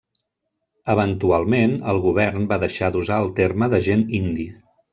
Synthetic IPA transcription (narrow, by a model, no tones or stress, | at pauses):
əβənt̪ualˠmenəlˠɣuβ̞ɛrnbaðəʃad̪uzaəlˠt̪erməðəʒenind̪i